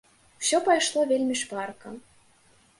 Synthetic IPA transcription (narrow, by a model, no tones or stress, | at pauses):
w̥sʲopɑjʃlˠovʲelʲmʲiʃpɑrkɤ̆